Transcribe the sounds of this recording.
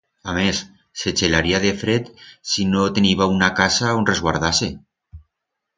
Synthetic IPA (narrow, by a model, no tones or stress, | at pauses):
amesː | et͡ʃelaɾiaðefɾet̪sinot̪eniβaunakasaonrezɣwaɾð̞ase